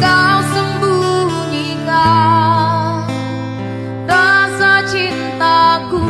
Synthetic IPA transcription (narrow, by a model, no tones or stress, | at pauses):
kawsəmbuŋɲi | ŋa | rasat͡ʃint̪aku